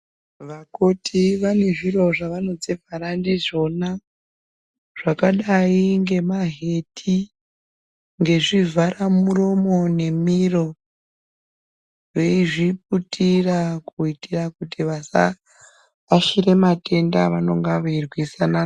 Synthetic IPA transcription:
ʋakotʰiʋane̞ʐiro̞ʐaʋano̞d͡zevʱaɾandiʐo̞na | ʐ̥akaɗaiŋɡe̞maɦe̞tʰi | ŋɡe̞ʐivʱaramuro̞mo̞ne̞miro̞ | ʐeiʐip̚utʰirakuitirakutiʋasa̰ | aʃiɾe̞mate̞nda̰ʋano̞ŋɡaʋairwisana

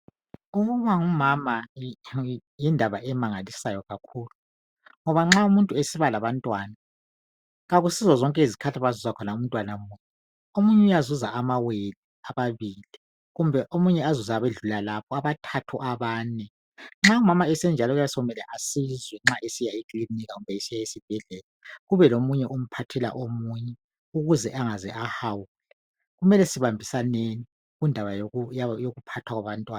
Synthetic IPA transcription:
uɣuβaŋumama | jindʱaβaʔɛmaŋalisajɔɣakʰuːlu | ŋɔβaŋ͡ǁaumuntʼuesiβalaβantʼwana | ɣaɣusizazɔŋkʼɛizikʰatʰaβazuzakʰɔnaum̩ntʼwanamujɛ | omuɲɛujazuzaamaweliaβaβili | ɣumbʱɛʔomuɲɛazuzaβeɮulalapʰɔaβatʰatʰuʔaβaːnɛ | ŋ͡ǁaumamaɛsɛnd͡ʒʱalɔɣujasɔumɛlɛʔasizwɛŋ͡ǁaʔesijaikʼliniɣaɣumbʱɛisijaesib̥ʱɛɮɛlaɣuβɛlomuɲɛʔom̩pʰatʰɛla̰ʔomuɲɛ | uɣuzɛʔaŋazɛʔahawulɛ | ɣumɛlɛsiβambʱisaneni | ɣundʱaβajajoɣupʰatʰwaɣwaβantʼwaːn

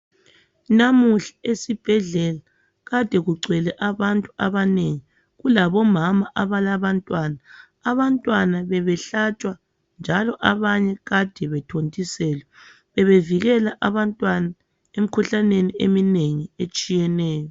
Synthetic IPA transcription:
namuɬḁesib̥ʱɛɮɛla | ɣad̥ʱɛɣuǀɛlɛʔaβantʼuaβaneŋi | ɣulaβɔmamaʔaβalaβantʼwanaː | βantʼwanaβɛβɛɬat͡ʃʼwa | nd͡ʒʱalɔʔaβaɲɛɣad̥ʱɛβɛtʰontʼisɛːlɛ | βɛβeviɣɛlaʔaβantʼwana | em̩kʰuɬaneniemineŋiet͡ʃʼijɛnɛːjɔ

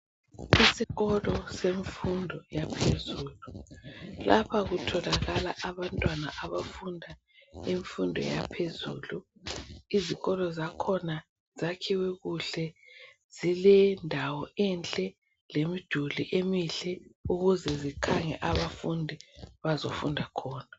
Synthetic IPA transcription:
isiɣɔlɔseɱfundʱɔjapʰezuːlu | lapʰaɣutʰɔlaɣalaʔaβantʼwana̰ʔaβafundʱa | iɱfundʱɔ̰japʰezṵːlu | iziɣɔlɔzakʰɔna | zakʰiwɛɣuɬɛ | z̥ilɛndʱawɔɛnt͡ɬʼɛ | lemid̥ʱuliʔemiɬɛuɣuzɛzikʰaŋɛ̰ʔaβafundʱiβazofundʱakʰɔːna

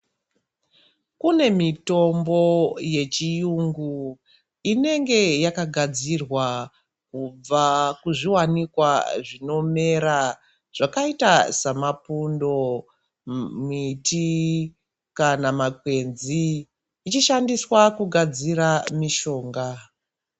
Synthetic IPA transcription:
kune̞mito̞mbo̞je̞t͡ʃijuŋɡu | ine̞ŋɡe̞jakaɡʱad͡zirwa | kub͡vakuʐiwanikwaʐino̞me̞ɾa | ʐ̥akaitasamapundo̞ | miti | kanamakwe̞nziː | t͡ʃiʃandiswakuɡʱad͡ziɾamiʃo̞ːŋɡa

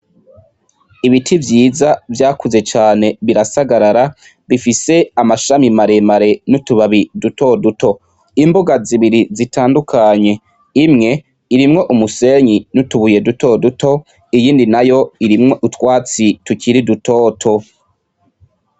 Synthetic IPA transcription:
iβitʰivjiːzavjaːkuze̞t͡ʃaːne̞βiɾasaɡaɾaɾa | βifise̞amaʃamimaɾe̞maɾe̞nutuβaβiduto̞duto̞ | imbuɡaziβiɾizitaːndukʰaɲe̞ | imŋe̞ | iɾimŋo̞ʔumuse̞ɲinutuβuje̞duto̞duto̞ | ijiːndinajo̞iɾimŋo̞ʔutwaːt͡situciɾiduto̞ːtʰo̞

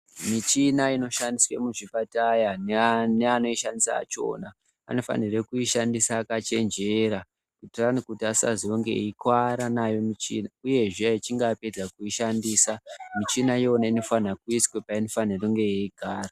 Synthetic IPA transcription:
mit͡ʃinaino̞ʃandiswḛmuʐipatajaneneano̞iʃandisa̰ːt͡ʃo̞̰na̰ː | no̞fa̰nirekuiʃandisaːkat͡ʃe̞nd͡ʒe̞ɾa | kutiranikutiasa̰ziwoŋɡḛikwaɾanajo̞mit͡ʃḭːnauje̞ʐiait͡ʃiŋɡape̞d͡zakuiʃandiːsamit͡ʃinajonaino̞fanakuiswepaino̞faniroŋɡe̞jeiɡʱaːra

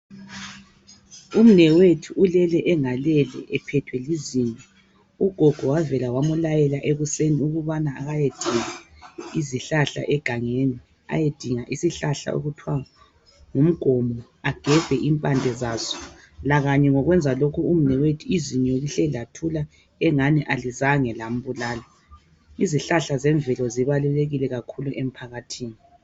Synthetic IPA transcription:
um̩nɛwetʰiulɛlɛʔɛŋalɛlɛ̰ʔɛpʰɛtʰwɛlizinʼɔ | uɡ̥ʱɔɡ̥ʱɔwavɛlawamulajɛlaʔeɣuseniuɣuβanaːɣajed̥ʱiŋa | iziɬaɬa̰ʔɛɡ̥ʱaŋeni | a̰jed̥ʱiŋaʔisiɬaɬa̰o̰ɣutʰwa | ŋum̩ɡ̥ʱɔmɔ | aɡ̥ʱɛv̥ɛʔimpʼand͡ɮʱɛzazɔ̥ | laɣaɲɛŋɔɣwɛnd͡zʱalokʰuum̩nɛwetʰiiziɲɛoɣuɬɛlatʰula | ɛŋaniʔalizaŋɛlam̩βulaːla | iziɬaɬazɛɱvɛlɔziβaluleɣilɛɣakʰuluʔem̩pʰaɣatʰiːni

